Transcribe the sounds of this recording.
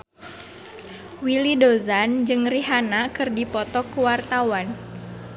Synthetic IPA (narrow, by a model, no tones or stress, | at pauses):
wilidozand͡ʒɨŋriɦanakɨrdipɔt̪ɔkuwart̪awan